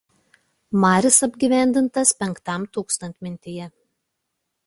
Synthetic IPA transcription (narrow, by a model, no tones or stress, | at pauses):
mɑːɾʲɪsɐbʲɡʲiʋʲæˑnʲd̪ʲɪnt̪ɐspʲɛŋkt̪ɑˑmt̪uːkst̪ɐnʲt̪ʲmʲɪnʲt̪ʲɪjɛ